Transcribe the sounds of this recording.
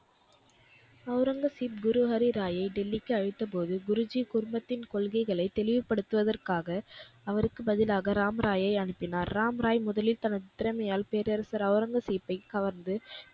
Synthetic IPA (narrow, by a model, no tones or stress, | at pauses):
ɐʊɾɐŋɡɐsiːp̚ɡʊɾɯɦɐɾiɾaːjɐɪɖɛlːɪkːɯɐɻɪt̪ːɐpoːðɯɡʊɾɯd͡ʒikʊɾʊmbɐt̪ːɪnkɔɭɣɐɪɣɐɭɐɪt̪ɛlɪʋɯpːɐɽɯt̪ːɯʋɐðɐrkaːɣɐɐʋɐɾɯkːɯbɐðɪlaːɣɐɾaːmɾaːjɐɪɐɳɯpːɪnaːɾːaːmɾaːjmʊðɐlɪlt̪ɐnɐðɪt̪ːɪɾɐmɐjaːlpeːɾɐɾɐsɐɾɐʊɾɐŋɡɐsiːpːɐɪkɐʋɐɾnd̪ɯ